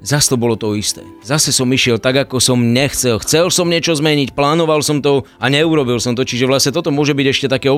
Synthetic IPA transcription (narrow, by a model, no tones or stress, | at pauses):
zast̪ɔbɔlɔt̪ɔist̪ɛ̰ːzasɛsɔmiʃɪɛlt̪aɡakɔsɔmɲɛxt͡sɛlxt͡sɛlsɔmɲɛt͡ʃɔzmɛɲicplaːnɔʋalsɔmt̪ɔ | aɲɛuɾɔbilsɔmt̪ɔt͡ʃiʒɛʋlasɲɛt̪ɔt̪ɔmʊɔʒɛbiɟɛʃcɛt̪akɛːɔ